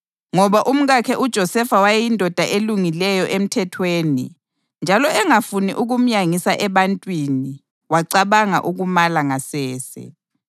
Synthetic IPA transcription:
ŋɔβaʔum̩ɣakʰɛʔud̥ʒ̥ʱɔsɛfawajɛjindʱɔd̥ʱaʔeluŋilɛjɔʔem̩tʰɛtʰweːnḭ | nd͡ʒʱalɔɛŋafuniʔuɣum̩ɲjaŋisaʔɛβantʼwini | waǀaβaŋa̰ʔuɣumalaŋasɛːsɛ̰

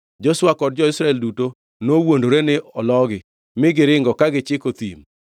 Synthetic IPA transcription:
d͡ʒoswakɔd̚d͡ʒɔɪsɾaɛlduto | nowondoɾenɪʔɔlɔɡɪ | mɪɡɪɾɪŋɡɔkaɡɪt͡ʃɪkot̪ḭm

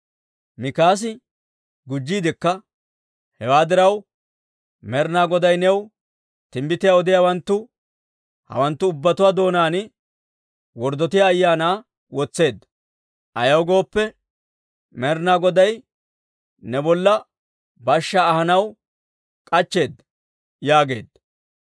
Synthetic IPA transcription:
mɪkaːs̬ɪ | ɡʊd͡ʒːiːd̪ɪkːɐ | hɛwaːd̪ɪɾɐw | mɛɾnaːɡɔd̪ɐjnɛw | t̪ɪmbɪt̪ɪjaɔd̪ɪjaːwɐnt̪ːʊ | hɐ̰wɐnt̪ːʊːbːɐt̪ʊwaːd̪o̞ːnaːnɪ | wɔɾd̪ɔt̪ɪjaːjːaːnaː | wɔt͡sːe̞ːd̪ːɐ | ʔɐjɐwɡo̞ːpːɛ | mɛɾnaːɡɔd̪ɐj | nɛbɔlːɐ | bɐʃːaːhɐnɐw | kʼɐt͡ʃːe̞ːd̪ːɐ | jaːɡe̞̰ːd̪ːɐ

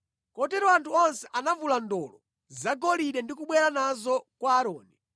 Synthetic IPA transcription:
kɔtɛɾɔantʰuɔnsɛʔanavulandɔlɔ | zaɡɔliɗɛndikuɓwɛɾanazɔkwaːɾɔːni

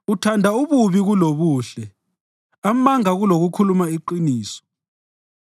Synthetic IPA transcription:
utʰandʱauβuβiɣuloβuːɬɛ | amaŋaɣuloɣukʰulumaiǃiniːsɔ̥

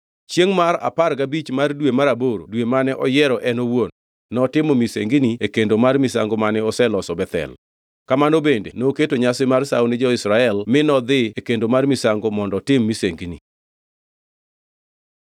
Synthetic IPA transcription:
t͡ʃjeŋmaɾa̰parkabit͡ʃmardwemaɾaboɾo̰dwemanɛʔɔjɛɾɔʔɛnowonː | ɔtɪmɔmisḛŋɡiniekendomarmisa̰ŋɡomanɛɔsɛlɔsɔbɛt̪ɛ̰l | kamanobendḛnoketoɲasɪmarsa̰wnɪd͡ʒɔɪsɾaɛlmɪnɔd̪ɪekendomarmisaŋɡomɔndɔtɪmːiseŋɡini

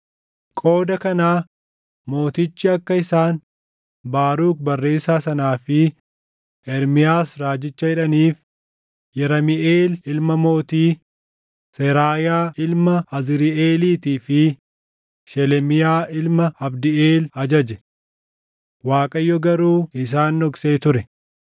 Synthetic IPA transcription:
kʼo̞ːd̪ɐkɐnaː | mo̞ːt̪ɪt͡ʃːɪɐkːɐɪsaːn | baːɾuːkbɐrːe̞ːsaːsɐnaːfɪ | ʔɛɾmɪjaːsɾaːd͡ʒɪt͡ʃːɐhɪᶑɐniːf | jɛɾɐmɪʔeːlɪlmɐmo̞ːt̪iː | sɛɾaːjaːɪlmɐɐzɪɾɪeːliːt̪iːfɪ | ʃɛlɛmɪjaːʔɪlmɐɐbd̪ɪeːlɐd͡ʒɐd͡ʒɛ | waːkʼɐjːɔɡɐɾuːɪs̬aːnːɔɡse̞ːt̪ʊɾɛ

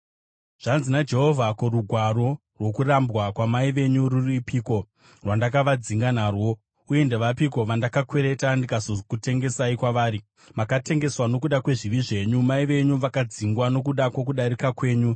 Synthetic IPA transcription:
ʐ̥anzinad͡ʒe̞ɦo̞vʱakoɾuɡʱwaɾo̞ | rwo̞kurambwakwamaiʋe̞ɲuɾuripiːko̞ | rwandak̬aʋad͡ziŋɡanarwo̞ | uje̞nde̞ʋapiko̞ʋandakakweɾe̞tandikasokute̞ŋɡe̞saikwaʋaːɾi | makate̞ŋɡe̞swano̞kuɗakwe̞ʐiʋiʐe̞ːɲumaiʋe̞ɲuʋakad͡ziŋɡwano̞k̬uɗakwo̞k̬uɗaɾikakwe̞ːɲu

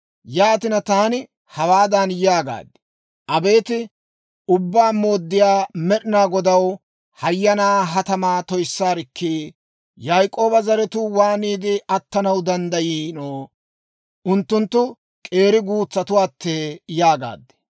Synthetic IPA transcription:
jaːt̪ɪnɐt̪aːnɪ | hɐwaːd̪anjaːɡa̰ːd̪ːɛ̥ | ʔɐbe̞ːt̪ɪ | ʊbːaːmo̞ːd̪ːɪjaːmɛɗɪnaːɡɔd̪ɐw | hɐjːɐnaːɦɐt̪ɐmaːt̪ɔjsːaːɾɪkʰːiː | jajkʼo̞ːbɐzɐɾɛt̪ʊwaːniːd̪ɪʔɐt̪ːɐnɐwd̪ɐnd̪ɐjiːnoː | ʊnt̪ːʊnt̪ːʊ | kʼe̞ːɾɪɡuːt͡sːɐt̪ʊwaːt̪ːeːjaːɡa̰ːd̪ːɛ̥

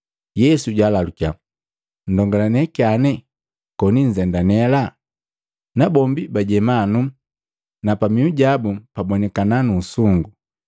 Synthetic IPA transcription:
jɛsuɟaːlalukia | n̩dɔŋɡalanɛkianɛ | kɔniɲ̩zɛndanɛla | nabɔmbibaɟɛmanu | napamiuɟabupabɔnɛkananuːsuŋɡu

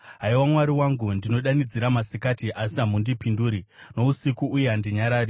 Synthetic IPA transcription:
ɦaiwamwaɾiwaŋɡundino̞ɗanid͡ziɾamasikatiʔasiɦamundipinduːɾino̞usikuʔːjeandiɲaɾaːɾi

